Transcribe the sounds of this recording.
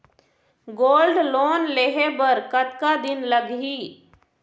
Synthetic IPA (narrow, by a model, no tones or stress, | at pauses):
ɡoːlɖloːnleɦebəɾkət̪kad̪ɪnləɡɦiː